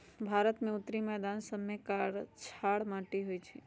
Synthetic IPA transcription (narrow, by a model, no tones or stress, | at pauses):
bʱaɾət̪meut̪ːɾimɛd̪ansəbmːekaɽt͡ʃʰaɽmãʈiɦojt͡ʃʰɛ